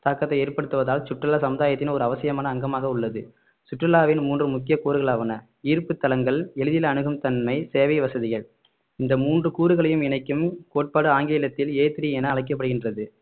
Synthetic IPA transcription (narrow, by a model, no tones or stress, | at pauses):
t̪aːkːɐt̪ːɐɪeːɾpɐɽɯt̪ːɯʋɐðaːlsʊʈrɪlaːsɐmɯðaːjɐt̪ːɪnɔɾɯɐʋɐsɪjɐmaːnɐːŋɡɐmaːɣɐʊɭːɐðɯ | sʊʈːrɐlːaːʋɪnmuːndrɯmʊkːɪjɐkuːɾɯɣɐɭaːʋɐnɐ | iːɾpɯt̪ːɐlɐŋɡɐɭɛɻɯðɪlɐɳɯɣɯmt̪ɐnmɐɪseːʋɐɪʋɐsɐðɪɣɐɭ | ɪnd̪ɐmuːndrɯkuːɾɯɣɐɭɐjɯmɪnɐɪkːɯmkoːʈ̚paːɽɯaːŋɡeːlɐt̪ːɪleːt̪ɪɾiɛnɐːɭɐɪkːɐpːɐɽɯɣɪndrɐðɯ